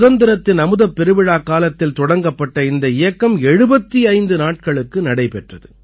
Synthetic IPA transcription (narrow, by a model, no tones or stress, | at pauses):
ðɐnd̪ɪɾɐt̪ːɪnɐmɯðɐpːɛɾɯʋɪɻaːkaːlɐt̪ːɪlt̪ɔɽɐŋɡɐpːɐʈːɐɪnd̪ɐɪjɐkːɐmɛɻɯbɐt̪ːiɐɪnd̪ɯnaːʈ̚kɐɭɯkːɯnɐɽɐɪpɛʈrɐðɯ